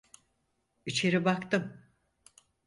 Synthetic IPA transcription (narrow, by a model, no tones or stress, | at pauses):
it͡ʃʰe̞ɾibakt̪ɯm